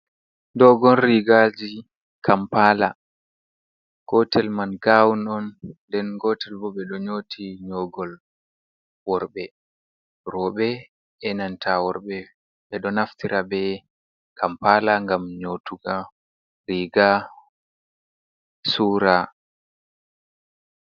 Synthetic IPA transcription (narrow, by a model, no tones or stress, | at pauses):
ndɔɡɔlɾiɡad͡ʒi | kʰampala | ɡ̥ɔtɛlmanɡawunɔndɛnɡɔtɛlbɔɓɛɗɔɲotʰiɲɔɡɔl | wɔɾbɛ | ɾɔɓɛ | ɛnantʰawɔɾɓɛ | ɓɛɗɔnaftiɾʔabɛ | kʰampalaŋɡamɲotuɡa | ɾiɡa | suɾa